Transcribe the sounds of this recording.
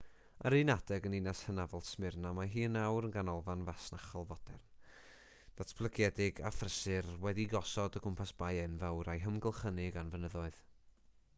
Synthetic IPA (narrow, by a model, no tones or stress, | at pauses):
əɾinad̥ɛɡəninashənavɔlˠtsmɪrnamaɦiːnawɾənɡanɔlˠvanvasnaχɔlˠvɔd̥ɛ̰rn | d̥atʰb̥lˠəɡjɛdɪɡa̰frəsɨrwɛdiɡɔsɔdəɡʰʊmpʰasb̥ajɛnvɛwɾajɦəmɡəlˠχənɪɡanvənəðɔɨð̥